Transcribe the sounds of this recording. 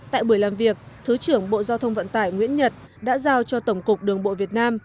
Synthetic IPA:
t̪a̰ː˧˨jɓu˧˩əjlaː˨˩mvi˨˩ək̚t̪ʰɨ˨˦t͡ɕɨ˧˩əŋɓo̰˧˨zaː˧wt̪ʰə˧wŋ͡mvə̰˧˨nt̪aː˧˩jŋwḭ˧˥ənɲə˨˩t̚ | ɗa̰ː˧˥zaː˧wt͡ɕɔ˧t̪ə˧˩wŋ͡mkʊ˨˩k͡p̚ɗɨ˨˩əŋɓo̰˧˨vi˨˩ət̚naː˧m

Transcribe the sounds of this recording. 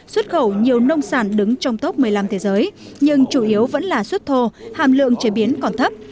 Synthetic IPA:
swə˦˥t̚xə˧˩wɲi˨˩əwnə˧wŋ͡msaː˧˩nɗɨ˨˦ŋt͡ɕɔ˧wŋ͡mt̪o˦˥p̚mɨ˨˩əjla˧mt̪ʰe˨˦zəː˨˦jɲɨ˧ŋt͡ɕu˧˩ʔi˨˦əwvə̰˧˥nlaː˨˩swə˦˥t̚t̪ʰo˧ha̰ː˧˨mlɨ̰˧˨əŋt͡ɕe˨˦ɓi˨˦ənkɔ˨˩nt̪ʰə˦˥p̚

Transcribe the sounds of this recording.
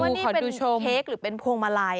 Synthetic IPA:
uː˧nkːɔ˩˦pe˧duː˧t͡ɕʰo˧eː˦˥k̚ɾɯː˩˦pe˧npʰoː˧ŋmaː˧laː˧j

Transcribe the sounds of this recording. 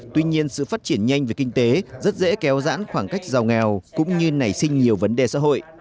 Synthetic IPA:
t̪wi˧ɲi˧ənsɨ̰˧˨faː˦˥t̚t͡ɕi˧˩ənɲa˧jŋ̟ve˨˩ki˧ŋ̟t̪e˨˦zə˦˥t̚zḛ˧˥kɛ˨˦wza̰ː˧˥nxwaː˧˩ŋka˦˥jk̟̚za˨˩wŋɛ˨˩wkʊ̰˧˥ŋ͡mɲɨ˧na˨˧˩jsï˧ŋ̟ɲi˨˩əwvə˨˦nɗe˨˩sa̰ː˧˥ɦo̰˧˨j

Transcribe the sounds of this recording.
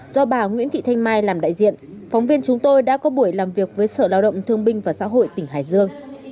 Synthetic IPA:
z̥ɔ˧ɓaː˨˩ŋwḭ˧˥ənt̪ʰḭ˧˨t̪ʰa˧jŋ̟maː˧jlaː˨˩mɗa̰ː˧˨jzḭ˧˨ənfɔ˨˦wŋ͡mvi˧ənt͡ɕʊ˨˦ŋ͡mt̪o˧jɗa̰ː˧˥kɔ˨˦ɓu˧˩əjlaː˨˩mvi˨˩ək̚vəː˨˦jsəː˧˩laː˧wɗə̰˧˨wŋ͡mt̪ʰɨ˧əŋɓï˧ŋ̟vaː˨˩sa̰ː˧˥ɦo̰˧˨jt̪ï˧˩ŋ̟ɦaː˧˩jzɨ˧əŋ

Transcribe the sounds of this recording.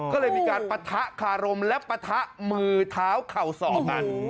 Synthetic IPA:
kɔː˥˩lɤː˧jmiː˧kaː˧npa˧t̪ʰa˦˥ʔkʰaː˧ɾo˧mlɛ˦˥pa˧t̪ʰa˦˥ʔmɯː˧t̪ʰaː˦˥wkʰa˨˩wsɔː˨˩˦ka˧n

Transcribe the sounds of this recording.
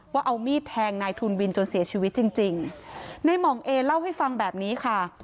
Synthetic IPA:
waː˥˩ʔa˧wmiː˥˩t̪ʰːɛː˧ŋnaː˧jt̪ʰuː˧nwi˧nt͡ɕo˧nsi˨˩˦ɐt͡ɕʰiː˧wt̪̚t͡ɕi˧ŋt͡ɕi˧ŋna˧jmɔː˨˩˦ŋʔeː˧la˥˩wɦa˥˩jfa˧ŋbɛː˨˩p̚niː˦˥kʰa˥˩

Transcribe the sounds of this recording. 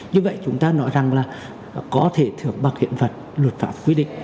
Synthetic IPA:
ɲɨ˧və̰˧˨jt͡ɕʊ˨˦ŋ͡mt̪aː˧nɔ˨˦jza˨˩ŋlaː˨˩ | kɔ˨˦t̪ʰe˧˩t̪ʰɨ˧˩əŋɓaː˨˧˩k̚hḭ˧˨ənvə˨˩t̚lwə˨˩t̚faː˧˦˥p̚kwi˧˦əɗḭ˧˨ŋ̟

